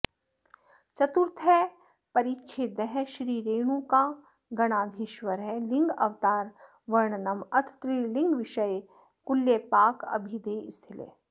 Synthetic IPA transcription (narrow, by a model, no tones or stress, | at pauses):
t͡ʃɐt̪uɾt̪ʰɦɛ | pɐɾitːʃʰed̪ɛɦʃɾiːɾeːɽ̃ũka | ɡɐɽ̃aːd̪ʱɪʃʋəɾɦɛlɪ̃ŋɡɐ̰ʋt̪aːɾ | ʋɐɾɳnɐmɐt̪ʰt̪ɾilɪ̃ŋɡʋɪʃəj | kʊlːjepaːkɐ̰bʱid̪eːɪst̪ʰɪlḛː